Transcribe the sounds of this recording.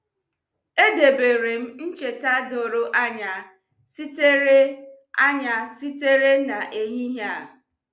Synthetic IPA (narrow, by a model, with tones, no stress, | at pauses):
e˦de˨be˨ɾe˨m̩˦n̩˦t͡ʃe˨ta˦do˨ɾo˦ʔa˦ɲa˨ | si˦te˦ɾe˦ | a˦ɲa˨si˦te˦ɾe˦na˨ʔe˨ɦi˦ɦja˦˨